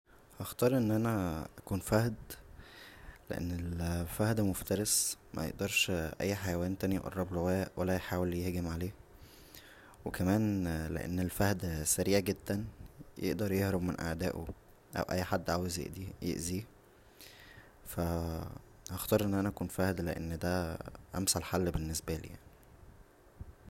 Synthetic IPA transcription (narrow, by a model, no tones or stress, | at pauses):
hɑxt̪ɑːɾˤʔenːʔænæʔækuːnfæhd̪ | lḛʔḛnːelfæhd̪æmoft̪ɑɾesmʔæ̰jḛʔd̪ɑɾˤʃʔæ̰jːħajæwæːnt̪ænij̰ʔɑ̰rˤːɑblowæːʔwælːæjħaːweljehɡemʕaleː | wekæmæːnlḛʔḛnːelfæhd̪sæɾiːʕɡed̪ːænjʔḛʔd̪ɑɾˤjehɾobmenʔæ̰ʕd̪æːʔo̰ | ʔæ̰wʔæ̰jːħad̪ːʕaːwezjḛʔd̪ijḛʔziː | fæ | hɑxt̪ɑːɾˤʔenːʔænæʔækuːnfæhd̪leʔḛnːd̪æʔæ̰msælħalːbenːesbælḭːja̰ʕni